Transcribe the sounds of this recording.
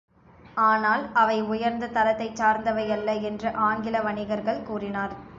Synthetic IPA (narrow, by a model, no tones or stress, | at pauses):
aːnaːlɐʋɐɪʊjɐɾnd̪ɐt̪ɐlɐt̪ːɐɪt͡ʃaːɾnd̪ɐʋɐjɐlːɐɛndrɯʔaːŋɡɪlɐʋɐɳɪɣɐɾɣɐɭkuːrɪnaːɾ